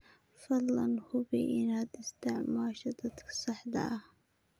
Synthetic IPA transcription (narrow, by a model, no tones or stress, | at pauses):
fɑd̪lɐ̰nhʊbiʔɪnad̪ɪst̪ʰɪʕmaːʃɐd̪ɐd̪kʰsɑħd̪ɐ̰ʔɐh